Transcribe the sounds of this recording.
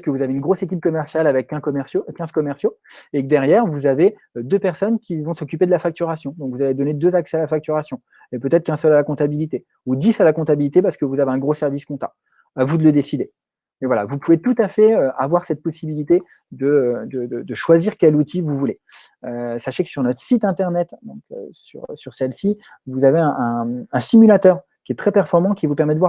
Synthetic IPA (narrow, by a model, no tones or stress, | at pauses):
kəvuzaveynɡʁosekʲip̚kɔmɛʁsjalavɛkːɛ̃kɔmɛsjokʲɛ̃zkɔmɛʁsjo | ek̚d̪ɛʁjɛʁvuzave | d̪øpɛʁsɔnkʲivɔ̃sɔkʲyped̪əlafak̚t̪yʁasjɔ̃d̪ɔ̃kvuzaved̪ɔned̪øzaksɛalafak̚t̪yʁasjɔ̃ | epøt̪ɛt̪χəkɛ̃sœlalakɔ̃t̪abilit̪e | ud̪isalakɔ̃t̪abilit̪epaʁsə̥kəvuzaveɛ̃ɡʁosɛʁviskɔ̃t̪a̰ | avud̪ələd̪esid̪e | mevwala̰vupuvet̪ut̪afɛøavwaʁsɛt̪̚pɔsibilit̪e | d̪əd̪əd̪əd̪əʃwaziʁkʲɛlut̪ʰivuvule | øsaʃekə̥syʁnɔt̪χə̥sit̪ɛ̃t̪ɛʁnɛt̪d̪ɔ̃kʰø̰sy̰ʁsyʁsɛlsi | vuzaveɛ̃ʔɛ̃ɛ̃simylat̪œʁ | kʲiɛt̪χɛpɛʁfɔʁmɑ̃kʲivupɛʁmɛd̪əvwaʁ